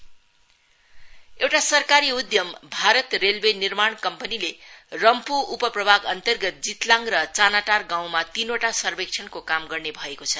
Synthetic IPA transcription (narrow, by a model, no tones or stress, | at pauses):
ewʈasʌrkaɾiud̪jʌmbʱaɾʌt̪relbenirmaɳkʌmpʌnilerʌmpuupʌprʌbʱaɡʌnt̪ʌrɡʌt̪̚d͡zit̪laŋrʌt͡sanaʈarɡaw̃mat̪inoʈasʌrbekt͡ʃʰʌnkokamɡʌrnebʱʌekot͡sʰʌ